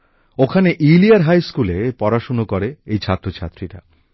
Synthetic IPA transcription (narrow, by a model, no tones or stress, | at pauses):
okʰaneʔiliaɾɦajskulepɔɾaʃonokoɾeejt͡ɕʰat̪ːɾot͡ɕʰa̰t̪ːɾiʈa̰